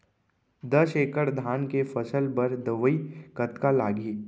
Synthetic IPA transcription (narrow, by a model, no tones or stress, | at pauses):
d̪əʃeːkəɽd̪ʱaːnkefəsəlbəɾd̪əʋəikət̪kalaːɡiː